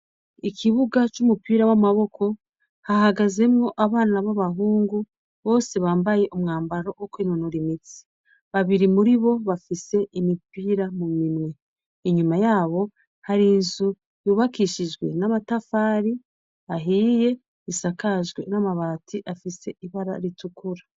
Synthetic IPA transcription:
ikʰiβuɡat͡ʃumupiːɾawamaβo̞kʰo̞ | hahaɡaze̞mŋo̞ʔaβaːnaβaβaɦuːŋɡu | βo̞ːse̞βaːmbaje̞ʔumŋaːmbaɾo̞wokwiːnonuɾimit͡si̥ | βaβiɾimuɾiβo̞βafise̞ʔimipiːɾamumimŋwe̞ | iɲumajaːβo̞ | haɾinzu | juːβakiʃiʒɡwe̞̰namatafaːɾi | aɦiːje̞ | isakaʒɡwe̞̰namaβaːtʰiʔafise̞iβaɾa̰ɾitukuɾa

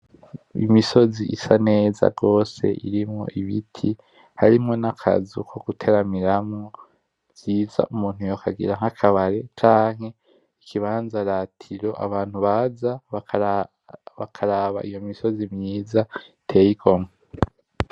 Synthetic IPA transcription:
ḭmiso̞ziʔisane̞ːza̰ɡo̞ːse̞̰ʔiɾimŋo̞̰ʔiβitʰi | haɾimŋo̞nakʰa̰zukʰo̞ɡ̥utʰe̞ɾamiɾamŋo | z̥iːza̰ʔumuːn̥hujokʰaɡḭɾaŋ̥akʰaβaɾe̞t͡ʃaːŋ̥he̞ | ikʰiβaːnzaɾatʰiɾo̞ʔa̰βaːn̥huβaza | βakʰaɾaβa̰ʔijo̞miso̞zimjiːzatʰe̞ːjiɡo̞mŋe

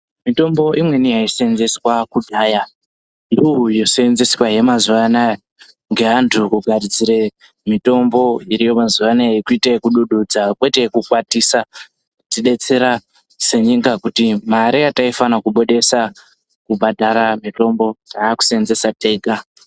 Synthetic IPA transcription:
mito̞mbo̞ʔimwe̞nijaise̞nze̞swakudʱaːja | nduujo̞senzeswaje̞mazuʋana | ŋɡe̞ɦantʰukuɡʱaɾid͡ziɾe̞ | mito̞mbo̞iɾijo̞mazuʋanaikuitakuɗuɗud͡zakwe̞tekukwatisa | tiɗe̞t͡se̞ɾa | se̞ɲiŋɡakutimaɾiataifanakuɓo̞ɗe̞sa | kubʱadʱaɾamito̞mbo̞taku̥senze̞sateːɡa

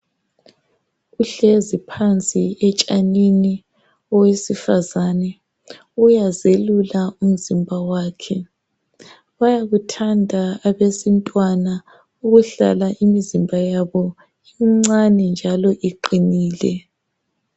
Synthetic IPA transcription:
ɣuɬezipʰant͡sʼiɛt͡ʃʼanini | ɔwesifazanɛ | ujazelulaum̩zimbʱawaːkʰɛ | βajaɣutʰandʱaːβesintʼwana | uɣuɬa̰laʔimizimbʱajaβɔ | iŋ͡ǀanɛnd͡ʒʱalɔʔiǃiniːlɛ

